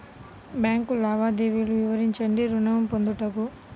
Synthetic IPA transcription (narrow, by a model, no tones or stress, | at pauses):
bjaːŋkulaːʋaːd̪eːʋiluʋiʋɐɾiɲt͡ʃɐɳɖiɾunɐjɐmpond̪uʈɐku